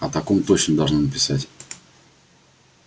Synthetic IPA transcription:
ɐt̪ɐkomt̪ot͡ɕnəmd̪ɐlˠʐnɨnəpʲɪ̥satʲ

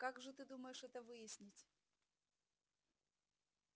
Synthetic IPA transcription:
kaɡʐɨt̪ɨd̪uməjɪʂɛt̪əvɨjɪsʲnʲɪtʲ

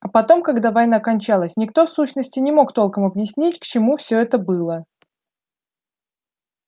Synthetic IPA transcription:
ɐpɐt̪o̞mkɐɡd̪avɐjnakɐnʲt͡ɕalˠəsʲnʲɪkt̪o̞fsuɕnəsʲtʲɪnʲɪmo̞kt̪o̞lˠkəmɐbjɪsʲnʲitʲkt͡ɕɪmufsʲɵ̞ɛt̪əbɨlˠə

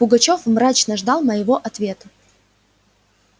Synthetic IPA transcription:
pʊɡɐt͡ɕo̞fmɾat͡ɕnəʐd̪ɑlˠməjɪvoʔɐt̪vʲe̞t̪ə

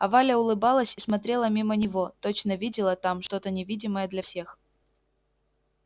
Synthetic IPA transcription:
ɐvalʲəʊlˠɨbɑlˠəsʲismɐt̪ɾʲe̞lˠəmʲimənʲɪvo̞t̪ot͡ɕnəvʲidʲɪlˠət̪amʂt̪o̞t̪ənʲɪvʲidʲɪməjəd̪lʲɐfsʲe̞x

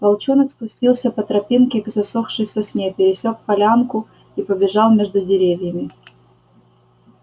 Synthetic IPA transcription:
vɐlˠt͡ɕonəkspʊsʲtʲilˠsʲəpət̪ɾɐpʲinkʲɪɡzɐsoxʂɨjsʲɐsʲnʲepʲɪɾʲɪsʲokpɐlʲankʊ | ipəbʲɪʐɑlˠmʲeʐd̪ʊdʲɪɾʲevʲjəmʲɪ

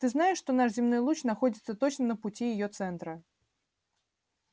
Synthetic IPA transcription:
t̪ɨznajɪʂːt̪ɔnaʂzʲɪmnɔjlˠut͡ɕnaxɔdʲɪt̪sət̪ɔt͡ɕnənəput͡sʲijɪjɔt̪sɛnt̪ɾɐ

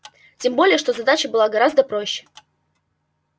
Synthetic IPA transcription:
tʲembolʲɪjəʂt̪ozɐd̪at͡ɕəbɨlˠaɡɐɾazd̪əpɾo̞ɕːɪ̥

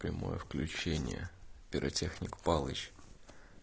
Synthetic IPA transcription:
pɾʲɪmo̞jəfklʲʉt͡ɕenʲɪ̰jə̰pʲɪɾʔɐtʲexnʲɪkpalˠət͡ɕ

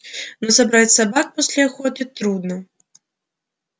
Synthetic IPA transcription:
nɔsabɾat͡sʲsabak̚pasʲlʲaxɔt̪ʲit̪ɾud̪nɐ

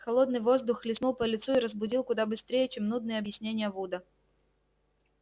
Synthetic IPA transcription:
xɐlˠo̞d̪nɨjvo̞zd̪ʊxlʲɪsnulˠpəlʲɪt̪suɪɾəzbʊdʲilˠkʊd̪abɨst̪ɾʲejət͡ɕemnud̪nɨjəɐbjɪsʲnʲenʲɪjəvud̪ə

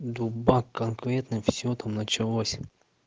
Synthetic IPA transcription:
d̪ubakːɐnkɾɛt̪nɪmwsʲɔt̪ʰamnɐt͡ʃɪlˠɔsʲ

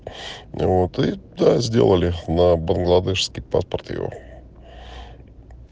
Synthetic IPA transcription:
vot̪ɨd̪azʲdʲḛlˠəlʲɪnəbənɡlˠad̪ɛʂskʲɪjpa̰spərt̪jɪ̰vo̰

